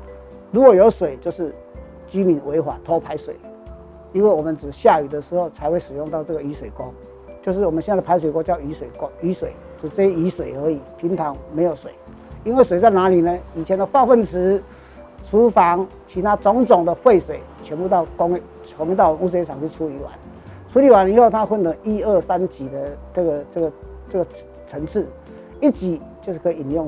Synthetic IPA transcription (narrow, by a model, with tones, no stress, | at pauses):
ɻu˧˥kwɔ˨˩jo˧˥ʊswe˨˩ɪt͡ɕjo˥˧ʊʂɻ̩˥˩ | t͡ɕi˥mi˨˩nwe˧˥ɪxwa̰˨˩t̪ʰɔ˥pʰa˧˥ɪswe˨˩˦ɪ | i˥nwe˥˩ɪwɔ˨˩mə˧˦nʈ͡ʂɻ̩˨˩ɕja˥˩y˨˩d̪ə˦ʂɻ̩˧˥xo˥˧ʊt͡sʰa˧˥ɪxwe˥˩ɪʂɻ̩˨˩jʊ˥˧ŋt̪ɑ˥˧ʊʈ͡ʂɤ˥˩ɡə˨i˧˥swe˨˩ɪko˥ŋ | t͡ɕjo˥˧ʊʂ̬ɻ̩˥˩wɔ˨˩mə˦nɕɛ˥˧n˥˩əpʰa˧˥ɪswe˨˩ɪko˥t͡ɕjɑ˥˩ʊi˧˥swe˨˩ɪko˥i˧˥swe˨˩ɪo˥˧˩ʂ̩˥˧t͡sɛ˥˧˩i˧˥swe˨˩ɪə˧˥i˨˩˦pʰi˧˥nt̪ʰɑ˧˥ŋme˧˥ɪjo˨˩ʊswe˨˩˦ɪ | i˥nwe˥˩swe˨˩ɪt͡sa˥˩ɪna˧˥li˨˩nə˦i˨˩t͡ɕʰjɛ˧˦nd̪ə˧fɑ˥˧ʊfə˥˨ns̩ʰ˧˦ | t͡sʰu˧˥fɑ˧˦ŋt͡ɕʰi˧˥t̪ʰa˦t͡sʊ˧˥ŋt͡sʊ˨˩ŋd̪ə˦fwe˥˩ɪswe˨˩ɪt͡ɕʰɥɛ˧˥npu˥˧t̪ɑ˥˩ʊkŋʰ˧˦ | ŋe˧ɑ˥˩˨u˥s̬we˧˦t͡sʰɑ˨˩ŋt͡ɕʰy˥˧t͡sʰu˥i˧˨˥wa̰˧˦n | t͡sʰu˦˥li˨˥wa˧˦ni˨˦xo˥˩ʊt̪ʰa˦˥xwə˥˩nlə˧˦ʔi˦ə˥˩sa˦˥nt͡ɕi˨˩d̪ə˧t͡sə˥˩ɡə˩t͡sə˥˩ɡə˩ | t͡sə˥˩ɡə˩ | t͡sʰə˧˥ŋt͡s̩ʰ˥˩ | i˥˩t͡ɕi˨˩˦t͡ɕjo˥˧ʂɻ̩˥˩kʰi˨i˨˩njʊ˥˩˨ŋ